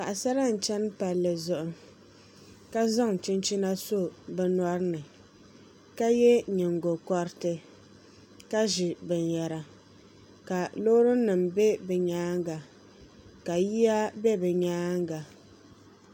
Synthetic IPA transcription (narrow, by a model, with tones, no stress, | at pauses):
ka˨ʔa˨sa˦ɾa˦n̩˨t͡ʃɛ˦n˦pa˨lːɨ˨zʊ˨ʔʊ˨˦ | ka˦za˦ŋ˨t͡ʃɪ˦nt͡ʃi˦na˦so˦bɛ˦nɔ˦ɾnɨ˨ | ka˦jɛ˦ɲɪ˨ŋɡo˨kɔ˦ɾtɨ˦ | ka˦ʒɪ˨bɛ˨n˨jɛ˨ɾa˨ | ka˨lo˦ɾʊ˦nɨ˨mbɛ˦bɛ˨ɲaː˦ŋɡa˨ | ka˨ji˦a˦bɛ˦bɛ˨ɲaː˦ŋɡa˨